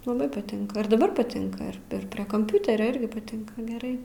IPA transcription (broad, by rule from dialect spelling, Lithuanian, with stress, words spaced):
lˠɐˈbɐɪ pɐˈtʲɪŋkɐ ɪr dɐˈbɐr pɐˈtʲɪŋkɐ ɪr ɪr ˈpʲrʲiɛ kɐmʲˈpʲʊtʲɛrʲoː ˈɪrʲɡʲɪ pɐˈtʲɪŋkɐ ɡʲɛˈrɐɪ